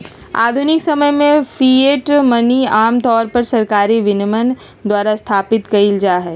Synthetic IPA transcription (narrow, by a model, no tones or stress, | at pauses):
a̰ːd̪ʱʊnɪksɐməjmẽfʰieːʈməniaːmt̪ɔːɾpɐɾsɐɾkaːɾiʋɪnəmən | d̪waːɾast̪ʰaːpɪt̪kɐild͡ʒaːɦɛː